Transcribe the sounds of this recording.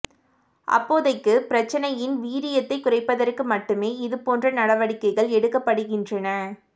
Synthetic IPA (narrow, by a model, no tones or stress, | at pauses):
ʔɐ̰pːoːðɐɪkːɯpɪɾɐt͡ʃːɐnɐjɪnʋiːɾɪjɐt̪ːɐɪkʊrɐɪpːɐðɐrkɯmɐʈːɯmeːɪðɯpoːndrɐnɐɽɐʋɐɽɪkːɐɪɣɐɭɛɽɯkːɐpːɐɽɯɣɪndrɐnɐ